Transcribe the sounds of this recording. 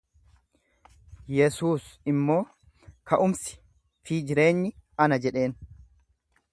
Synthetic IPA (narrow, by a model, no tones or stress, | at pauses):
jɛsuːsɪmːo̞ː | kʰɐʔʊmsɪ̥ | fiːd͡ʒɪɾe̞ːɲːɪɐnɐd͡ʒɛᶑe̞ːn